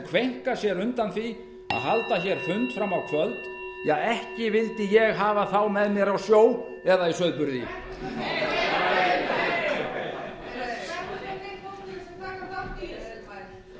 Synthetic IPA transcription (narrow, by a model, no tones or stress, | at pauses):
kʰvejŋ̥kasjɛɾʏnt̪anθi | a̰ðɦalt̪açɛɾ̥fʏnt̪fɾamːawkʰvœlt̪ | jɛɣɛhcɪvɪlt̪ɪjɛɣɦaːvaθawmɛðmjɛɾawsjoːw | ɛðaisœðpʏɾðɪ